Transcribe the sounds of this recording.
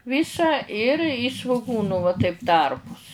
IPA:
ˈʋʲiːsɐ ɪr ɪ sʋʊˈɡuːnʊ ʋɐ tɐɪp ˈtɐrpʊs

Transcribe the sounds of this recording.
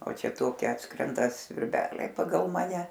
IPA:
oː ˈt͡ʃʲɛ ˈtoːkʲɪ ˈɑːtskrʲɛndɐ sʲʋʲɪrʲˈbʲæːlʲɛɪ pɐˈɡɐlˠ ˈmɑːnʲɛ

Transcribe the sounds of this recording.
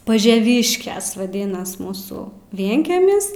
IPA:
pɐʒʲɛˈʋʲiːʃʲkʲɛs ʋɐˈdʲɪnɐs ˈmuːsʊ ˈʋʲiɛŋʲkʲɛmʲɪs

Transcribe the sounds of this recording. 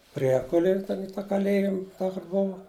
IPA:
ˈpʲrʲiɛkʊlʲeːj tʲɛn ɪ tɑː kɐˈlʲeːjɪm ˈtɑː kʊr ˈboːʋɐ

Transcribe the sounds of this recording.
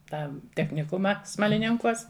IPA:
ˈtɑː tʲɛxʲnʲɪˈkʊmɑː smɐlʲɪˈnʲɪŋkuɔs

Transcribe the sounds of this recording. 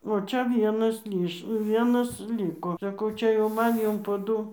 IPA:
oː ˈt͡ʃʲɛ ˈʋʲiɛnɐs ˈlʲiːʃ ˈʋʲiɛnɐs ˈlʲiːkoː sɐˈkɐʊ ˈt͡ʃʲɛ jɛʊ ˈmɐn ˈjʊm poː ˈdʊ

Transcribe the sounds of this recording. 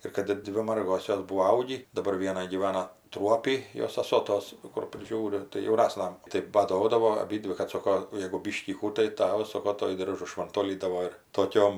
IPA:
ɪr ˈkɐt ˈdʲʋʲɪ ˈmɐrɡoːs ˈjoːs ˈbuːoː ˈɐʊɡʲiː dɐˈbɐr ˈʋʲiɛnɐ ɡʲiːˈʋɑːnɐ ˈtruɔpʲiː ˈjoːs sɐˈsoː ˈtoːs kʊr pʲrʲɪˈʒʲuːrʲɪ tɐɪ jɛʊˈnɑːsnɐ tɐɪ bɐˈdoːdɐʋoː ɐˈbʲiːdʲʋʲɪ kɐt ˈsoːkoː jɛɡʊ ˈbʲiːʃʲkʲiː ˈkuː tɐɪ ˈtɑːʋɐs ˈsoːkoː ˈtuɔj ˈdʲɪrʒʊ ʃʋɐnˈtoːlʲiːdɐʋoː ɪr toːˈkʲoːm

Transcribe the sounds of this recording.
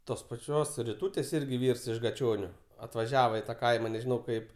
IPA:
ˈtoːs pɐˈt͡ʃʲoːs rʲɪˈtuːtʲeːs ˈɪrʲɡʲɪ ˈʋʲiːrs ɪʃ ɡɐˈt͡ʃʲoːnʲʊ ɐtʋɐˈʒʲæːʋɐ ɪ tɐ ˈkɐɪmɐ nʲɛʒʲɪˈnɐʊ ˈkɐɪp

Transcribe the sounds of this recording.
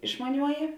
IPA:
ɪʃmɐˈnʲuɔjɪ

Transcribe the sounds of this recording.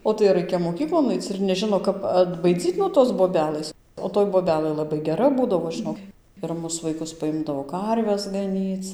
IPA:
oː ˈtɐɪ ˈrɐɪkʲɛ moːˈkʲiːklˠoːn ˈɐɪt͡s ɪr nʲɛˈʒʲɪnoː ˈkɐp ɐdbɐɪˈd͡zʲiːt nuɔ ˈtoːs boːˈbʲæːlˠɘs oː toːj boːˈbʲæːlˠɘ lˠɐˈbɐɪ ɡʲɛˈrɐ ˈbuːdɐʋoː ˈʒɨnoːk ɪr ˈmʊs ʋɐɪˈkʊs pɐˈɪmdɐʋoː ˈkɐrʲʋʲɛs ɡɐˈnʲiːt͡s

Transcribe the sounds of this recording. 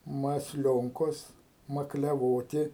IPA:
mɐsʲˈlʲoːŋkoːs mɐklʲɛˈʋoːtʲɪ

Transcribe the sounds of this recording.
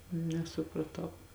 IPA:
nʲɛsʊprɐˈtɐʊ

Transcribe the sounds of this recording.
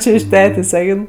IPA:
ˈt͡ʃʲeː ɪʃ ˈtʲæːtʲeːsʲ ˈɛɪn

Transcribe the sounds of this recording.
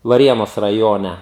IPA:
ʋɐˈrʲiɛnoːs rɐˈjoːnʲɛ

